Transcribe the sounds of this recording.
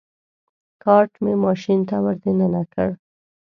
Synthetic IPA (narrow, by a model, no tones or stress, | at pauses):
kɑɾʈmemɑʃint̪awəɾd̪enənakə̰ɽ